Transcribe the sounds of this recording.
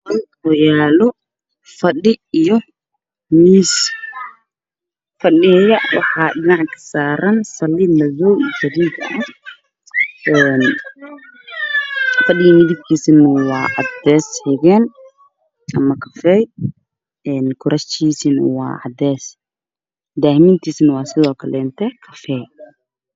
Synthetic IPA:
wɑjaːlɔ | fɐɗɪijɔ | miːs | fɐɗɪɛjɐwɑ̰ħɑːɗɪnɑʕkʰɐ̥saːɾɐnsɐlːɪnɐðɔd͡ʒɐɾidɐʔɐ | ʔɛːn | fɐɗɪɣɐmɪðib̚kʰiːsɪnɐwɑːʕɑ̰d̪ɛːshɛɣɛːn | ʔɐmɐkʰɐfɛj | ɛːnkʰʊɾɐst̪ʰiːsɪnɐwɑ̰ːʕɑd̪ɛːs | d̪aːhmiːnt̪ʰiːsnwɑːsɪðɔːkʰɐlɛnt̪ʰɛkʰɐfɛː

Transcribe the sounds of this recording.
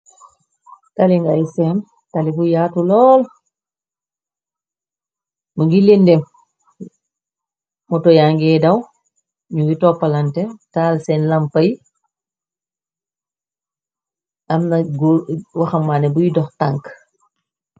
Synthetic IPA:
taliŋɡajsɛn | talibujaːtulɔːl | maŋɡilendɛm | mɔtɔjaŋɡɛːdaw | ɲuŋɡitɔpːalantɛtaːlsɛnlampaj | ʔamnaɡwaxamːanɛbujidɔxtaŋk

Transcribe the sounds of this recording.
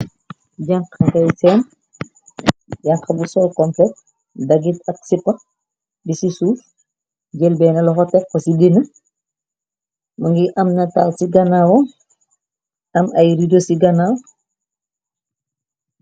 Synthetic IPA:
ɟɐŋkɐŋɡɐjsɛːn | ɟɐŋqɐbusɔlkɔmplɛt̚ | dɐɡitɐk̚sipːɐ | bisisuːf | ɟɛlbɛːnɐlɔxɔtɛkːɔsidinɐ | mɐŋɡiʔɐmnɐtalsiɡɐnawɔ | ɐmɐjɾidosiɡɐnaw

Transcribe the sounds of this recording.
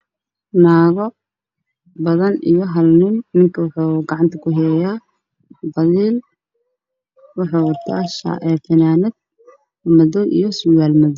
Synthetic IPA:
naːɣɔ | bɐðɐnḭjɔɦɐlnɪnnɪŋkʰɐwɑħuːɡɑʕɑnt̪ʰɐkʰʊɦɛːja | wħd̪ɑliːl | wɑħuːwɑrt̪ʰa̰ːʃa̰ʔɛːfɐnaːnɛd̪̚ | mɐðɔʔijɔsʊɣaːlmɐðɔ

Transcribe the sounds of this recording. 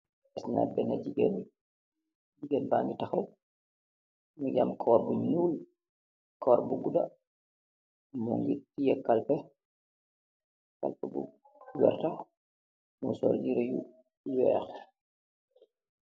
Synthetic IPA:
ɛsna̰bɛnad͡ʒiɡɛn | d͡ʒiɡɛnbaŋɡitaxaw | miɟamkʰɔːɾbuɲnuːl | kʰɔːɾbuɡuda | muŋɡitijɛkːalpɛ | ka̰lpɛbṵ | wɛ̰ɾta | musɔ̰ːɾd͡ʒiɾejṵ | wɛːx

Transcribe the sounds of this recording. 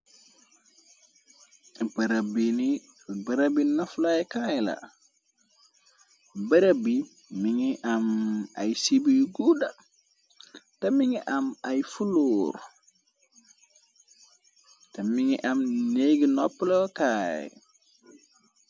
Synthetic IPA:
bɐɾabini | bɐɾabinɐflajkajla̰ | bɐɾabi | miŋiʔamajsibijɡuda | tɛmiŋiʔamajfuloːɾ | tɛmiŋiʔamneɡinɔpːlɔkaːj̰

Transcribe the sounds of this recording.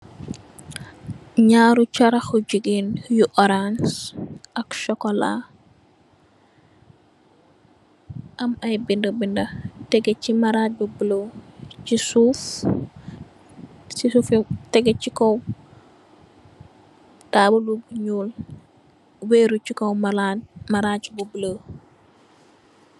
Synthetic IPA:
ɲaːɾut͡ʃaɾɐxuɟiɡinjuʔɔɾansʔɐkʃɔkɔla̰ | ʔɐmɐjbindɐbindɐtɛɡecimaɾabubilot͡ʃisuːf | sisuːftɛɡɛcikɔw | taːbulubɲuːl | weːɾucikowmamaɾat͡ʃbublo

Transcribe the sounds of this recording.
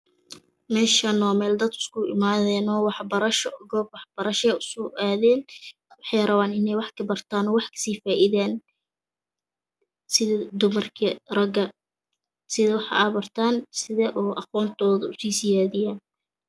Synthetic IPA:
mɛːʃanɔːmɛːld̪ɐd̪ʊ̥skʰʊʔɪ̰maːðɛːnɔːwɑħbɐɾɐʃɔɡɔːb̚wɑħb̥ɐɾɐʃɛjʊsʊʔaːðɛːn | wɑħɑjrɐβaːnɪnɛjwɑħkʰɐbɐrt̪ʰaːnɔwɑħkʰɐ̥siːfaːʔɪðaːn | sɪðɐd̪ʊmɐrkʰɐrɐɡɐ | sɪðɐwɑħɑ̰ʔaːbɐrt̪ʰaːnsɪðɛːʔɔːʔɑqɔːnt̪ʰɔːðʊʊsiːsɪjaːðɪjaːn

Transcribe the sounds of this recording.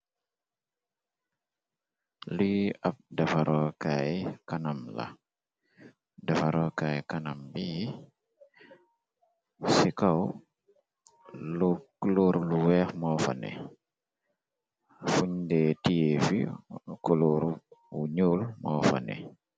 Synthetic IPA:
liap̚dafaɾʔɔkajkanamla̰ | dafaɾɔkajkanambi | sikaw | lukloɾluwɛxmɔːfa̰nɛ̰ | fuɲdɛtijefḭkuluɾwuɲulmɔːfa̰nɛ̰

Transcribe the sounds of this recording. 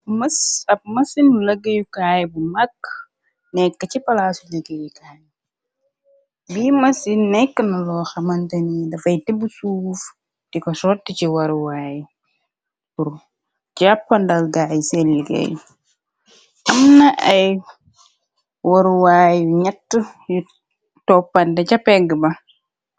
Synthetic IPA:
mɐsɐp̚mɐsinulɐɡɐjukaːjbumɐkː | nɛkːət͡ʃipɐlaːsuliɡɐjikaːj | biːmɐsinnɛkːənɐlɔːxɐmɐntɐnidɐfɐjtibusuːf | tikɔsɔtːiciwɐɾuwaːji | puɾ | d͡ʒapːɐndɐlɡajiselːiɡɐ̰j | ʔɐmnɐʔɐj | wɐɾuwaːjɲɐtːəju | tɔpːɐndɐcɐpɛɡəbɐ

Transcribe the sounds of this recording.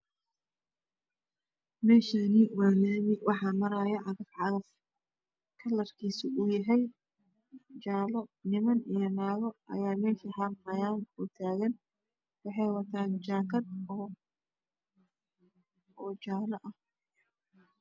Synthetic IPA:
mɛːʃanɪwaːnaːmɪwʔɑħɑːmɐɾajɐʕɑðɐfʕɑðɐf | kʰɐlːɐrkʰiːsɪʊjɐɦɛj | t͡ʃaːlɔnɪmɐnijɔnaːɣɔʔɐ̰jaːmɛːʃiːħɑlfɐjaːnʊt̪ʰaːɣɐn | wɑħɑjwɐt̪ʰaːnt͡ʃaːkʰɐd̪̚ | ɔːt͡ʃaːlɔʔɐh

